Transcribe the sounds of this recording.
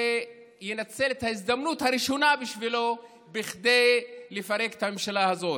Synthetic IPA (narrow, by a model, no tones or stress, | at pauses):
e | jenat͡selet̪haizd̪amnut̪haɾiʃo̞nabiʃvilo̞ | biχd̪e̞jlefaʁe̞ket̪ame̞mʃalaɦazo̞t